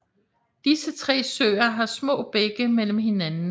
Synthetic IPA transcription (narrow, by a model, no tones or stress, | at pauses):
d̥isət͡sʰʁɛ̰ːsø̰ːɐɦɑ̈smɔ̰̽ːb̥eɡ̥əmel̰m̩ɦe̝nænn̩